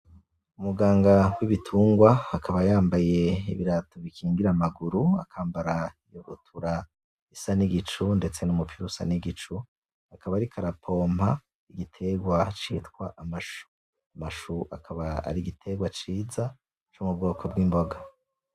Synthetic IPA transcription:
umuɡaːŋɡawiβitʰuːŋɡwaakʰaβajaːmbaje̞ḭβiɾatoβikʰiːŋɡiɾamaɡuɾua̰kʰaːmbaɾa | joβṵtʰuɾa | isaniɡit͡ʃunde̞t͡se̞numupʰiɾusa̰niɡit͡ʃu | akʰaβaːɾikʰaɾapʰo̞ːma | iɡitʰe̞ɡwat͡ʃitkwa̰ʔamaʃu̥ | amaʃuakʰaβaa̰ɾiɡitʰe̞ɡwat͡ʃiːza | t͡ʃomubɡo̞ːkʰo̞b̚ɡiːmbo̞ɡa

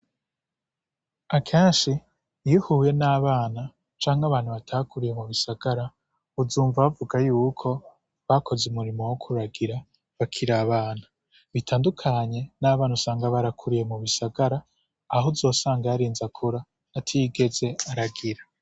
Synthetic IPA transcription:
akʰeːnʃi | jihuːje̞naːβaːna | t͡ʃaːŋaβaːn̥huβatʰaːkuɾije̞muβisaɡ̥aɾa | uzuːɱvaβavuɡajuːkʰo̞ | βakʰo̞zumuɾimo̞wokʰuɾaɡiɾa | βakʰiɾaːβaːna | βitʰaːndukʰaɲe̞naːβaːnusaːŋɡaβaɾakʰuɾije̞muβisaɡaɾaː | ɦozo̞ːsaːŋɡaaɾiːnzakʰuɾaː | tʰiiɡe̞ze̞aɾaɡiɾa

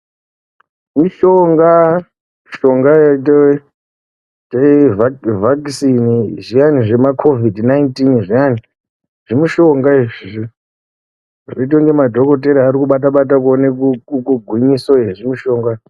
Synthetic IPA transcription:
miʃoŋɡa | ʃo̞ŋɡajito | tevvaksiniʐijaniʐe̞makʰo̞vidnajintinʐijani | ʐ̥imiʃo̞ŋɡaeʐiʐi | ʐoit̬oŋɡe̞madʱo̞ko̞t̬e̞ɾiaɾikuɓat̬aɓat̬akonekuukuɡʱwiɲisoeʐimiʃo̞ːŋɡa

